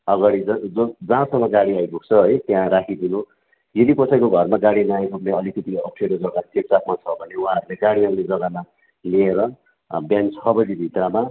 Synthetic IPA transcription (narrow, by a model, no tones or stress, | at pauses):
ʌɡaɽid͡zʌʌd͡zãsʌŋːʌɡaɽiajbʱok̚t͡sʰʌɦʌjt̪jãɾakʰid̪inu | jed̪ipʌt͡sʰʌikoɡʱʌrmaɡaɽinaj̃ɾupneʌlikʌt̪iʌp̚ʈʰeɾod͡zʌɡat͡sep̚t͡sak̚mat͡sʰʌbʱʌneuɦãʌɾuleɡaɽiʌŋled͡zʌɡana | lieɾʌ | bjant͡sʰʌbʌd̪ibʱit̪rama